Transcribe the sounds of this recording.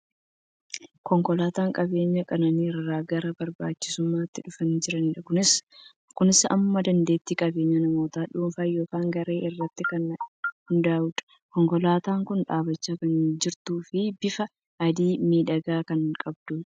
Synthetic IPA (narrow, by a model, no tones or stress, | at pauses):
kɔŋkɔlaːt̪aːŋkʼɐbe̞ːɲːɐkʼɐnɐniːɾːaːɡɐɾɐbɐɾbaːt͡ʃːɪ̥sʊmːaːt̪ːɪᶑʊfɐnd͡ʒɪɾɐnᶑɐkʊnɪs | kʊnɪsɐ̰mːɐd̪ɐnd̪e̞ːt̪ːiːkʼɐbe̞ːɲːɐnɐmo̞ːt̪aːᶑuːmfaːjo̞ːkaːŋɡɐɾe̞ːʔɪrːɐt̪ːɪkɐnhʊnd̪aːʊᶑ̪ɐ̥ | kɔŋkɔlaːt̪aːŋkʊnᶑaːbɐt͡ʃːakɐnd͡ʒɪɾt̪uːfɪbɪfɐ | ɐd̪iːmiːᶑɐɡaːkɐnkʼɐbd̪uː